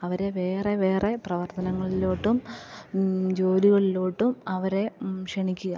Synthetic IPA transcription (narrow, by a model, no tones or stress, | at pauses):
ɐʋɐɾe̞ʋe̞ːreʋe̞ːre̞prɐʋɐrt̪ɐnɐŋːɐɭiloːʈːum | d͡ʑo̞ːliɣɐɭiloːʈːumɐʋɐɾe̞ʂeɳikʲːuɣɐ